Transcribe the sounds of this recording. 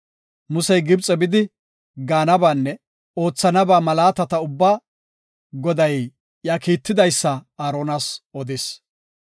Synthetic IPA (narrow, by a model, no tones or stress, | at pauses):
mʊsɛjɡɪbt͡sʼɛbɪd̪ɪ | ɡaːnɐbaːnːɛ | o̞ːt͡sːɐnɐbaːmɐlaːt̪ɐt̪ɐʊbːaː | ɡɔd̪ɐj | jaːkiːt̪ːɪd̪ɐjsːɐaːɾoːnasʔɔd̪ɪs